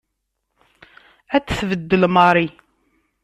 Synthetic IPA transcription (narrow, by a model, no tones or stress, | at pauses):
æt͡sːθvəd̪ːəlməɾˤi